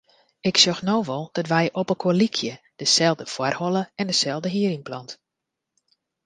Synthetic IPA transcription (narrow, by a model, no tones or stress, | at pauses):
ɪksɔxnoːʋɔlˠd̥ɔtʋɛjʔɔpəkʰolikʰjə | d̥əsɛlˠdəfwarhɔlˠəɛndəsɛlˠdəɦiəɾiŋplɔnt